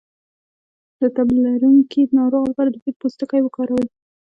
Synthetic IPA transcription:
d̪̥ət̪ablilaɾuŋkʰinɑɾoɣalpɑɾad̪əpit̪̚post̪əkajwəkɑɾawəl

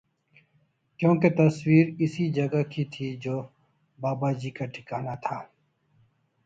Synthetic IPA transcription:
kjõːket̪ɐswiːɾɪsid͡ʒɐɡakit̪ʰid͡ʒoː | baːbad͡ʒiːkaʈʰɪ̥kaːnat̪ʰaː

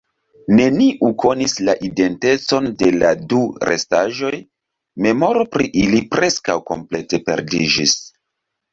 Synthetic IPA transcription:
ne̞niʔukʰo̞nislaʔide̞nte̞t͡so̞nde̞laduɾʔe̞̰staʒo̞j | me̞mo̞ɾo̞pɾiʔilipɾe̞skawko̞̰mple̞te̞pe̞̰ɾdid͡ʒis

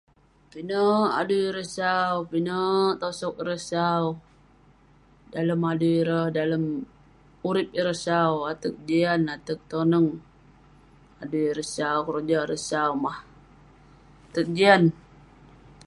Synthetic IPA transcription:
pinəa̰duɾəsawpinət̪osɔkiɾəsaw | daləmaduɾəhdaləm | uɾɪp̚iɾəsawat̪ək̚d͡ʒianat̪ək̚t̪onəŋ | adujiɾəsawkəɾud͡ʒaɾəsawmah | at̪ək̚d͡ʒian

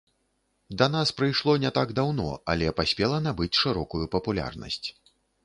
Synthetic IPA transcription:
d̪ɐnaspɾɨjʂlˠɔnʲɛt̪aɡd̪awnɔ̰ɐ̰lʲɛpasʲpʲɛlˠɐnabɨt͡sʲʂɨɾɔkujupɐpulʲa̰rnɐ̰sʲt͡sʲ

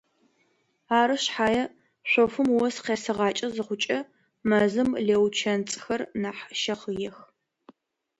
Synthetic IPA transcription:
aːɾɨɕħaːjɛ | ɕʷɔfɨmwɔsqeːsɨʁɑːt͡ʃʼɐzɨχʷʊt͡ʃʼɐ | mɐzɨmleːwt͡ʃʰɐnt͡sʼxɐrnaːħʃɐχəjɛx

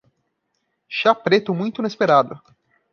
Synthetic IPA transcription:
ʃapɾet̪ʊmũj̃t̪ʊinespeɾad̪ʊ

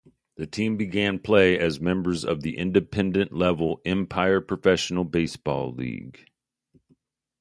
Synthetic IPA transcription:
ðɨtʰĩmbɨɡæ̃npʰl̥eɪɨzmɛ̃mbə˞zʌ̰vðiʔɪ̃ndɨpʰɛ̃ndɨ̃nʔlɛvl̩ˠɛ̃mpʰaɪə˞pʰɹ̥ɨfɛʃn̩l̩ˠbeɪsb̥ɔ̰lˠlḭɡ̥

